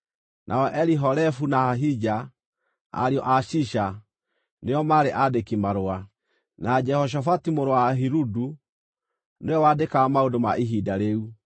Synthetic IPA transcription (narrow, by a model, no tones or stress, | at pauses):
nʔa̰ɔʔɛɾiɦɔɾɛfunaaɦid͡ʒa | a̰ɾiɔʔaʃiʃa | neɔmaɾeʔadekimaɾoa | nad͡ʒɛhɔʃ̬afatimoɾowaɦiɾudu | neɔwadekamaodomaʔiɦidaɾeu